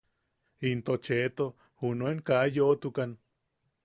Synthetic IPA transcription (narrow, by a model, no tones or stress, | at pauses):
int̪ot͡ʃet̪o | hunoeŋkajot̪ukan